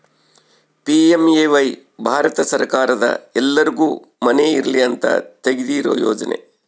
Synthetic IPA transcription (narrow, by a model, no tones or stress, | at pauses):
piemeʋɐj | bʱaːɾɐt̪ɐsɐɾkaːɾɐd̪ɐ̰ɛlːɐɾiɡuː | mɐneiɾɐliɐnt̪ɐ̰t̪eɡid̪iɾo̰ːjɔːd͡ʒɐnḛ